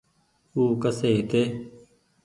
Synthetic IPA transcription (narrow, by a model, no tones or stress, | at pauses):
uːkəseːt̪e